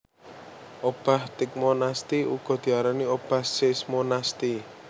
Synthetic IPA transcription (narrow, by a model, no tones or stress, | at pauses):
ʔob̥a̤ht̪ɪk̚monast̪iṵɡ̥ɔ̤d̪̥i̤aɾaniob̥a̤hsɪsmonast̪i